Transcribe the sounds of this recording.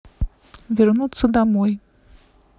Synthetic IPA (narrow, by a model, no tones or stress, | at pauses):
vʲarnut̪sːɐd̪amɔj